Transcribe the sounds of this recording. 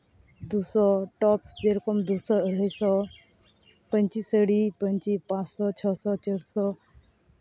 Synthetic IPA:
d̪usɔʈɔpsd͡ʒeɾɔkɔmd̪usɔəɽ̤ajsɔ | pə̃nt͡ʃisəɽipəɲt͡ʃipãt͡ssɔt͡ʃʰɔsɔt͡ʃəɽsɔ

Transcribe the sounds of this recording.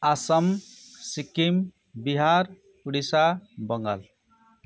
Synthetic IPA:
asʌmsikim | biɦaɾ | uɽisabʌŋɡa̰l

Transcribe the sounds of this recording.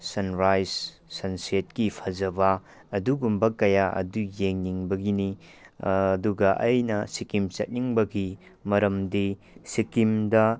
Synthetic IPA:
sɐnɾajs | sɐnset̚kipʰɐzɐbɐː | duɡumbɐkɐjaʔɐ̰dujeŋniŋbɐɡini | duɡɐʔɐjnɐsikimt͡ʃɐ̰t̚niŋbɐɡi | mɐɾɐmdi | sikimdɐ

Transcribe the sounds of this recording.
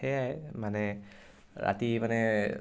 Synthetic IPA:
ɛjajmanɛ | ɹa̰timanɛ

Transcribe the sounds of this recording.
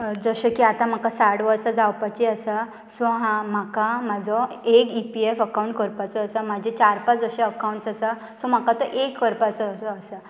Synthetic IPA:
d͡zəɕəkiat̪ãm̤akasaʈʋəɾsad͡zawpat͡ɕeəsa | sɔ̃ɦãm̤akamad͡zʱɔekipiefəkaw̃ɳʈkəɾpat͡sɔːsəmad͡ʑʱet͡ɕaɾpad͡zəɕeəkawɳʈsasə | sɔm̤akat̪ɔʔekːəɾpat͡sɔəsɔːsə

